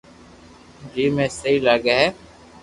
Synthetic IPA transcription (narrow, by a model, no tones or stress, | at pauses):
d͡ʒiːmẽːsəiːlaːɡaːɦɛː